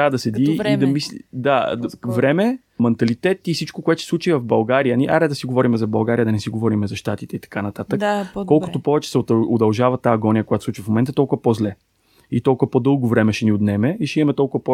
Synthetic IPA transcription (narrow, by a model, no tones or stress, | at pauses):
ad̪ɐsɛd̪iid̪ɐmisd̪avɾɛmɛ | mɛnt̪ɐlit̪ɛt̪ifsit͡ʃkokʊɛt̪osɛslˠut͡ʃivɐvbɐlˠɡaɾijəniʔa̰ɾɛd̪ɐsiɡovɔɾimɛzɐbɐlˠɡaɾijəd̪ɐnɛsiɡovɔɾimɛzɐʃt̪at̪it̪ɛit̪ɐ̥kanɐt̪at̪əkkːɔlˠkot̪opɔvɛt͡ʃɛ̥sɛod̪ɐlˠʒavɐt̪aəɡɔnʲijəkoʊjat̪osˠut͡ʃivəfmomɛnt̪ət̪ɔlˠkʊvɐpɔzlɛ | it̪ɔlˠkʊvɐpɔd̪ɤlˠɡovɾɛmɛʃɛniot̪nɛmɛiʃɛimɐmɛt̪ɔlˠkʊvɐpɔ